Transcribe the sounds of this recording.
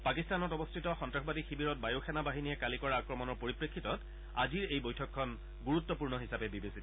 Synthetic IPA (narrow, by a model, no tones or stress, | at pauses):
pakistanɔtɔbɔstʰitɔxɔntɹaxɔbadixibiɹɔt̚bajoxʰɛnabaɦinijɛkalikɔɹaːkɹɔmɔnɔɹpoɹipɹekʰːitɔt | aziɹejbojtʰɔkʰːɔn | ɡuɹut̪ːɔpuɹnɔɦisapɛbibesit